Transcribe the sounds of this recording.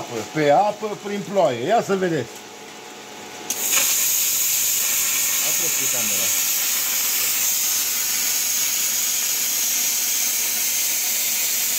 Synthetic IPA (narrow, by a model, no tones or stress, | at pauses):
pəpe̞apəpɾinploajejasəve̞d̪e̞t̪sʲk | apɾopit̪amoɾa̰